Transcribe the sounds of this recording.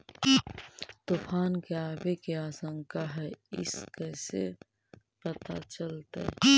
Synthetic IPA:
t̪uːpʰaːnkeaːbekeaːsə̃ŋkaɦɛɪ̰skɛːse | pət̪a̰t͡ʃəlt̪ḛ

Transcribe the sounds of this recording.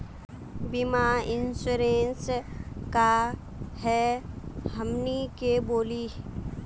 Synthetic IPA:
bimaɪnsuɾẽːnska | hɛ | həmnikeboːliː

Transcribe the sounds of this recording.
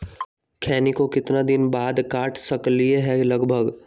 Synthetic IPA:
kʰɛːnikokɪt̪nad̪ɪnbaːd̪kaːʈʰsɐklieɦɛlɐɡbʱəɡ

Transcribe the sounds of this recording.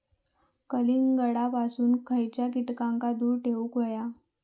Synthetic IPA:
kəliŋɡəɽapasuːnkʰəjt͡ɕjakiʈkãŋkad̪uːɾʈʰeʋukʋəja

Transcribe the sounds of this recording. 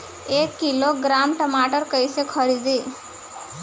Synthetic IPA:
ekːiloɡɾamʈəmaʈəɾkəjsekʰəɾid̪i

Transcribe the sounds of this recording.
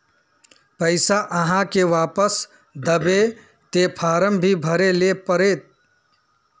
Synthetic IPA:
pəɪsaʔɐɦãkeʋaːpəs | d̪əbe | t̪epʰaːɾəmbʱibʱəɾeleːpəɾeːt̪̚

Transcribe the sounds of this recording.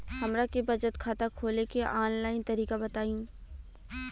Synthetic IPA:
hɐmɾakebɐd͡ʒət̪kʰaːt̪akʰoːlekeʔaːnlaːɪnt̪ɐɾiːkabɐt̪aːĩː

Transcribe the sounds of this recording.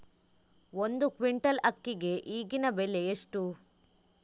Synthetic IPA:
o̞nd̪ukʋiɳʈɐlɐkːiɡe̞ʔiːɡinɐbeleeʂʈu

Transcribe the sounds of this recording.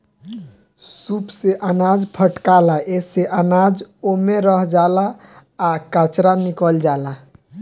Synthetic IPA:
supseʔənad͡ʒpʰəʈkalaʔeseʔənad͡ʒomeɾəɦd͡ʒalaː | kat͡ʃɾanikəld͡ʒala

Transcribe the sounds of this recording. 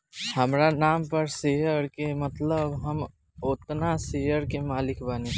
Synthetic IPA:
həmɾanaːmpəɾsejəɾkemət̪ləbɦəm | ot̪nasejəɾkemaːlɪkbane

